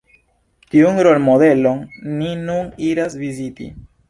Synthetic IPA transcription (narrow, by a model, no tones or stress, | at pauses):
tiunɾo̞lmod̪e̞lo̞nːinuniɾasvizitḭ